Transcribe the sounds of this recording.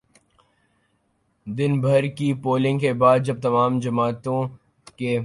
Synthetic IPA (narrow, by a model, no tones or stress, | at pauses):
d̪ɪnbʱɐɾkipoːlɪ̃ŋɡkebaːd̪̚d͡ʒɐb̚t̪ɐmaːmd͡ʒɐmaːt̪õ | ke